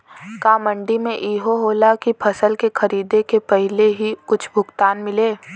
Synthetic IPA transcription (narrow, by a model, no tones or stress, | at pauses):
kaːmə̃ɳɖimẽʔiːɦoɦoːlakipʰɐsəlkexɐɾiːd̪ekepɛɦɪleɦikʊt͡ʃʰbʱʊɡt̪aːnmɪleː